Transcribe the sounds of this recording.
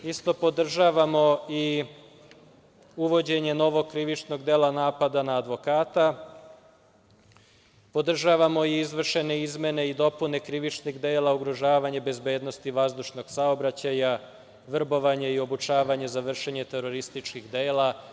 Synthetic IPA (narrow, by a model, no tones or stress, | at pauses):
ist̪o̞po̞d̪r̩ʒaːʋamo̞i | uʋo̞d͡ʑe̞ɲe̞no̞ʋo̞kɾiʋit͡ʃno̞ɡd̪e̞ːlˠanaːpad̪anaːd̪ʋo̞kaːt̪a | po̞d̪r̩ʒaːʋamo̞iizʋr̩ʃe̞ne̞izme̞ne̞id̪o̞pune̞kɾiʋit͡ʃniɣd̪e̞ːlauɡɾoʒaːʋaɲebe̞zbe̞ːd̪no̞st̪iʋazd̪uʃno̞ɡ̥saobɾat͡ɕaja | ʋr̩bo̞ʋaɲeio̞but͡ʃaːʋaɲezaʋr̩ʃeɲe̞t̪e̞ɾo̞ɾist̪it͡ʃkixd̪eːla